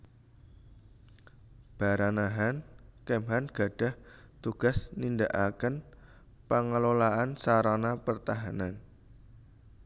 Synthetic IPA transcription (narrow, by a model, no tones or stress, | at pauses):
b̥a̤ɾanaɦankɛmɦanɡ̥a̤ɖ̥a̤ht̪uɡ̥a̤snind̪aʔakən | paŋəlolaʔansaɾanapərt̪aɦanan